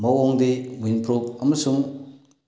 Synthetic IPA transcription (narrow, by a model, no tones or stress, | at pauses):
mɐwoŋdewinpʰɾok̚ɐmɐsuŋ